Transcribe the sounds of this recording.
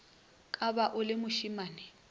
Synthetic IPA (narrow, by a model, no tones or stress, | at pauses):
kʼabaʔʊlɪmʊʃimaːnɪ